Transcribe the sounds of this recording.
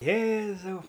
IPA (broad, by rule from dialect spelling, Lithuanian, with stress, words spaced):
ˈjeːzɐʊ